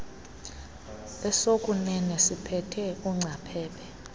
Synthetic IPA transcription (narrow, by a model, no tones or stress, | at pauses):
ɛsokʼunɛnɛsipʰɛtʰɛuŋ͡ǀapʰɛːɓʰɛ